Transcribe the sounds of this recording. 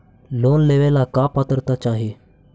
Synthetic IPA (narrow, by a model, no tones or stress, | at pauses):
lonleʋelakapat̪əɾt̪at͡ɕaɦe